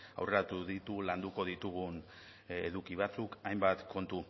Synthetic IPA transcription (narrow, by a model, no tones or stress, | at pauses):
a̰wre̞ɾat̪uðit̪uland̪uko̞ðit̪uɣun | eðukiβ̞at͡sukajmbat̪kʰo̞nt̪u